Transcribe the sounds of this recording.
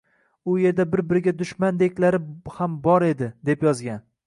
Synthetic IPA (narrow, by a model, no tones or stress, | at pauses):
ʊje̞ɾd̪abɪɾbɪɾɪɡʲad̪ʊʃmand̪ekʲlaɾɪhambɒɾe̞d̪ɪd̪e̞pjɒzɡʲan